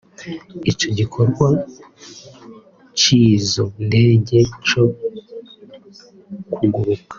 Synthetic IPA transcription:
ico̞ɟikʰoɾɡwa | cizonde̞ːɟe̞co̞ | kʰuɡuβukḁ

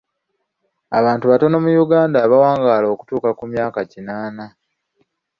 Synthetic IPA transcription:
a̰βaːntuβato̞no̞mujuɡaːndaβawaːŋɡaːlo̞ːku̥tuːkakumjaːkacinaːna

